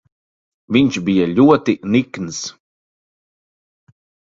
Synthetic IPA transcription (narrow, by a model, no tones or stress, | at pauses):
viɲʃbijaʎʲuɔt̪inikns